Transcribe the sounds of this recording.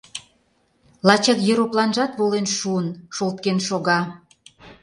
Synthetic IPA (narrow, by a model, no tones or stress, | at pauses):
lɑt͡ɕɑk̪jøɾoplˠɑnʒɑt̪βolenʃuənʃolt̪̚kenʃoɣɑ